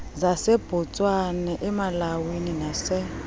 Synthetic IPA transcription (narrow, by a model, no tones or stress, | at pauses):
zaseb̥ʱɔt͡sʼwanɛʔɛmalawininasɛ